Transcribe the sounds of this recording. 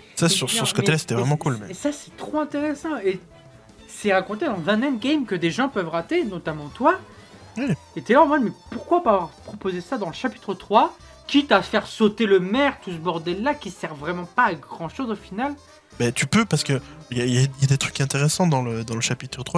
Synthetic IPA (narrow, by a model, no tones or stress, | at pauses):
sasyʁsyʁsə̥kɔelase̥t̪ɛvʁɛmɑ̃kulmɛesasɛ̥t̪χoɛ̃t̪eʁesɑ̃e | sɛʁakɔ̃t̪ed̪ɑ̃zɛ̃nɛmɡʲɛjmkəd̪eʒɑ̃pœvʁat̪enɔt̪amɑ̃t̪wa | wɛet̪eɑ̃vɛ̃d̪mɛpuʁkwapaːvwaʁpχɔpozesad̪ɑ̃ləʃapi̥t̪χət̪χwa | kʲit̪afɛʁsot̪eləmɛʁt̪us̬əbɔʁd̪ɛlːakʲisɛʁvʁɛmɑ̃paːɡʁɑ̃ʃozofinal | bɛt̪ypøpaʁsə̥kəljailjailjad̪et̪χykɛ̃t̪eʁesɑ̃d̪ɑ̃ləd̪ɑ̃ləʃapit̪χət̪χwa